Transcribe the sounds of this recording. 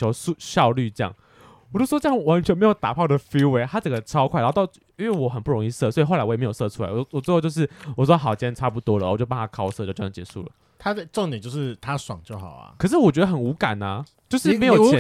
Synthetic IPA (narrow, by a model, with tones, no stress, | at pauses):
o˧˥ʊu˥˧ɕjɑ˥˧ʊly˥˧ʈ͡ʂə˥jɑ̰˥˩ŋ | wɔ˨˩t͡ɕo˥ʊ˥ʂwɔ˥jɑ˥˩ŋ˩wa˧˥nt͡ɕʰɥɛ˧˥nme˧˥ɪjo˨˩ʊt̪a˨˩pʰɑ˥˩ʊd̪ə˩fi˥we˧˥ɪt̪ʰa˥t͡sə˨˩ŋɡə˩ʈ͡ʂʰɑ˥ʊkʰwa˥ɪla˧˥t̪ɑ˥˧ʊ˥ | we˥˩wɔ˨˩xə˨˩npu˥˩ɻo˧˥ŋi˥˧sɤ˥˩˨swɔ˧˥i˨xo˥˩la˧˥wm˧˥jo˨˩sɤ˥˧ʈ͡ʂʰu˥la̰˧˦ɪwwwo˥˧jo˥˧ʊʂ̬ɻ̩˥˩wɔ˨˩wɑ˥xɑ˨˩ʊt͡ɕʰjɛ˥nʈ͡ʂʰa˥pu˥˩t̪wɔ˥lə˨˩t͡ɕo˥˧pnʰa˥kʰɑ˥ʊsɤ˥˧t͡ɕo˥˧˥t͡ɕɛ̰˧˦ʂṵ˥˩lə̰˩ | t̪ʰa˥d̪ə˨˧ʈ͡ʂŋjnt͡ɕjo˥˧ʊʂɻ̩˥˩t̪ʰa˦swɑ˨˩ŋt͡ɕjo˥˩ʊxɑ˨˩˦ɐ̰˩kʰɤ˨˩ʂɻ̩˥˩wɔ˨˩t͡ɕɥɛ˧˥d̪ə˧xə˨˩nu˧˥ka̰˨˩nɐ˩ | t͡ɕjo˥˧ʊʂɻ̩˥˩me˧˥ɪjo˨˩ɛ˧˦